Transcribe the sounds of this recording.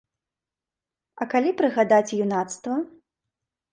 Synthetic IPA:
ɐkalʲipɾɨɣad̪at͡sʲjunat̪st̪vɐ

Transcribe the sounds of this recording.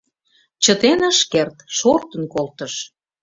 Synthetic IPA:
t͡ɕət̪enəʃkert̪ʃort̪ənkolt̪əʃ

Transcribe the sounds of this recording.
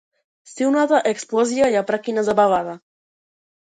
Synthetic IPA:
siwnat̪aʔeksplɔzjajapɾakinazaβaβaða

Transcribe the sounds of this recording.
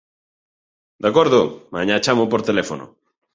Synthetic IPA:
d̪akoɾðʊmãɲat͡ʃamopoɾt̪elefono̰

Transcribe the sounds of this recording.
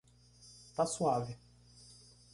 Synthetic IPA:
t̪aswaːvɪ

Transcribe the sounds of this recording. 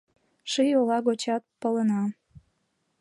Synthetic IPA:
ʃijolɑɣot͡ɕɑt̪̚pələnɑ

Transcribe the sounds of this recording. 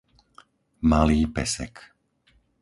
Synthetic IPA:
maliːpɛsɛ̰k

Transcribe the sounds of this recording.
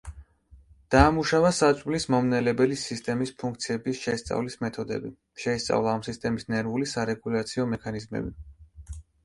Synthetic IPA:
d̪̥aːmuʃavasat̪sʼvlismɔmnɛlɛbɛlisist̪ʼɛmispʰuŋk̚t̪sʰiɛbisʃɛst̪sʼa̰vlismɛt̪ʰɔd̪ɛ̰bi | ʃɛist̪sʼa̰vlˠaːmsist̪ʼɛmisnɛɾvulisaɾɛɡulat̪sʰiɔmɛkʰanizmɛ̰bi

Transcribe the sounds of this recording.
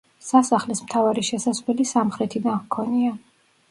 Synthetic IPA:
sasaχlɛsmt̪ʰavaɾiʃɛsaslɛlisamχɾɛt̪ʰid̪ankʰɔnia

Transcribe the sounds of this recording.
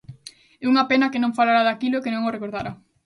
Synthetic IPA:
euŋɐpenɐkenõŋfalaɾaðakiloekenõŋorekoɾðaɾa

